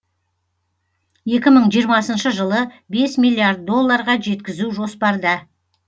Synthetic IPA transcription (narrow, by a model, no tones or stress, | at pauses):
je̞kʲɪməɴʒijəɾmɑsənʃəʒəlˠə | be̞smilːˠijaɾd̪̚ːo̞lˠːɑɾʁɑʒe̞t̪kʲɪzuʒo̞spɑɾd̪ə